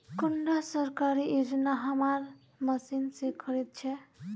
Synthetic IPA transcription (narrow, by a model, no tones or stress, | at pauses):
kuɳɖasəɾkaɾied͡ʒnaɦəmaɾ | məsinsekʰəɾit̪̚t͡ʃʰɛ